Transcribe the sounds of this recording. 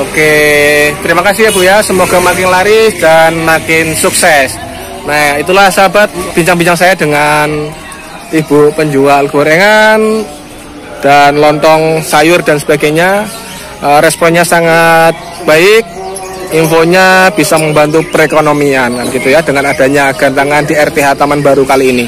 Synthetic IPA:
oket̪əɾimakasɪɦabujasəmoɡ̥a̤makɪnlaɾɪsd̥anmakɪnsuksɛs | nait̪ulahsabat̪̚b̥iɲt͡ʃaŋbiɲt͡ʃaŋsajadəŋan | ib̥upəɲd͡ʒualkuɾeŋan | d̥anlɔnt̪ɔŋsajʊrdansəb̥aɡajɲa | əɾɛspɔnɲasaŋat̪̚b̥aɪk̚ | infoɲab̥isaməmbant̪upəɾekonomiankanɡit̪ujadəŋanad̥aɲaɡ̥ant̪aŋandiɛrp̪eɦat̪amanbaɾukaliːni

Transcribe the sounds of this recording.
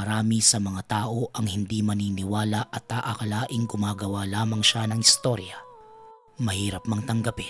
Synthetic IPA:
ɐɾaːmisɐmɐŋat̪aːʔo̞ʔɐŋhɪnd̪imɐniːnɪwaːlɐʔɐt̪̚ːaʔɐkɐlaːʔɪŋɡʊmaːɡɐwalaːmɐŋʃanɐŋɪst̪o̞ɾjɐ | mɐhiːɾɐpmɐŋt̪ɐŋɡɐpɛ

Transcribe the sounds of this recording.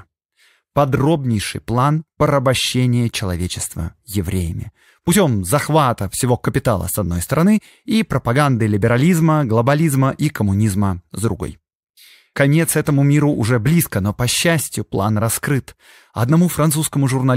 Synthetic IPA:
pɐd̪ɾo̞bnʲɪjʂɨ̰jplˠanpəɾəbɐɕːenʲɪjət͡ɕɪlˠɐ̰vʲet͡ɕɪst̪və̰jɪvɾʲḛjɪmʲɪ̰ | pʊtʲo̞mzɐxvat̪əfsʲɪvo̞kəpʲɪt̪alˠə̰sɐd̪̚no̞̰jst̪əɾɐnɨ | ipɾəpɐɡand̪ɨlʲɪbʲɪɾɐlʲizməɡlˠəbɐlʲizməʔikəmʊnʲizməzd̪ɾʊɡo̞̰j | kɐnʲet̪sɛt̪əmʊmʲiɾʊʔʊʐɛblʲiskəno̞pɐɕːæsʲtʲjʊplˠa̰nrɐskɾɨt̪ | ɐ̰d̪nɐmufɾɐnt̪suskəmʊʐʊrnɐl

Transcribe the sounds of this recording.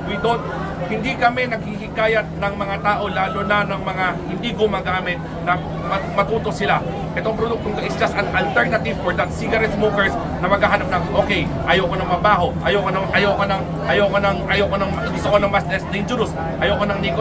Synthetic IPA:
wid̪ont̪̚ | hɪnd̪ikɐmɛnɐɡ̚hihɪkaːjɐt̪̚nɐŋmɐŋat̪aːʔo̞laːlonanɐŋmɐŋahɪnd̪iɡʊmɐɡaːmɪt̪̚ | nɐ | mɐmɐt̪uːt̪osɪla | ʔɛt̪oŋpɾod̪uk̚t̪oŋɡɐʔɪsd͡ʒɐst̪ɐnɐlt̪ɛɹnɐt̪ɪvfoɹd̪ɐt̪siɡɐɾɛt̪smokɛɹs | nɐmɐɡaːɦanap̚nɐŋʔoːkɛj | ʔɐjokonɐŋmɐbaːɦo̞ʔɐjokonɐʔɐjokonɐŋ | ʔɐjokonɐŋʔɐjokonɐŋɐɡʊst̪okonɐŋmast̪ɛsd̪ɪnd͡ʒʊɾʊs | ʔɐjokonɐŋniko

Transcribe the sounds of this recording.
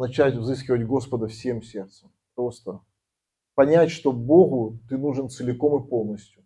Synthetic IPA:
nɐt͡ɕætʲvzɨskʲɪvətʲɡo̞spəd̪əfsʲe̞msʲe̞rt̪səm | pɾo̞st̪ə | pɐnʲætʲʂt̪o̞bo̞ɣʊt̪ɨnuʐɨnt̪sɨlʲɪko̞mɨpo̞lˠnəsʲtʲjʊ

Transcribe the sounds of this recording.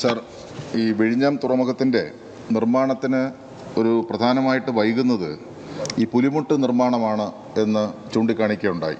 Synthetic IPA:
saːr | iːʋeɻiɲːaːmt̪urɐmɐɣɐt̪ːinde̞̰ | nirmaːɳɐt̪ːinɨ | o̞ɾuprɐd̪ʱaːnɐmaːjiʈːɨʋɐjɣunːɐðɨ | iːpulimuʈːɨnirmaːɳɐmaːɳɨ | e̞nːɨt͡ɕuːɳɖikːaːɳikʲːɐuɳɖa̰ːjḭ

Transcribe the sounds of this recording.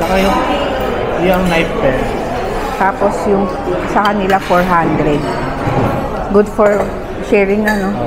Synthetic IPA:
t͡ʃɐkɐjo | joɐŋnajf̚pɛɹ | t̪aːposjʊŋ | sɐkɐnɪlafoɹɦand̪ɾɛd̪̚ | ɡʊd̪foɹ | ʃɛːɹɪŋnɐno

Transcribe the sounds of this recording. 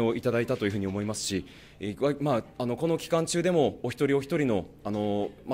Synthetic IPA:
oʔit̪ad̪ait̪at̪o̞jɯ̟ɯ̟ɲio̞mo̞imasɨ̥ɕi | βamaano̞ko̞no̞kʲi̥kãɲt͡ɕɨːd̪e̞mo̞ːçʲi̥t̪o̞ɾʲio̞çi̥t̪o̞ɾʲino̞ano̞m

